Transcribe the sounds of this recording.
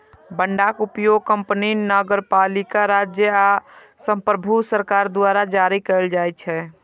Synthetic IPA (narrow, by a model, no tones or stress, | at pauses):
bəɳɖakupjoɡ̚kəmpninəɡəɾpalikaɾad͡ʒjəa | sə̃mpɾəbʱusəɾkaɾd̪waɾad͡ʒaɾikəəld͡ʒajt͡ʃʰɛ